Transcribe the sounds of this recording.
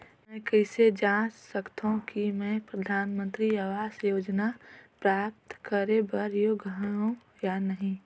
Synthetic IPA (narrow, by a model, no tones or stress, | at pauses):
mɛ̃kɛɪsed͡ʒaːt͡ʃsəkt̪aɦũkimɛ̃ːpɾɐd̪ʱaːnmə̃nt̪ɾiaʋaːsjoːd͡ʒnapɾaːp̚t̪kəɾebɐɾjoɡaɦũ | janəɦĩ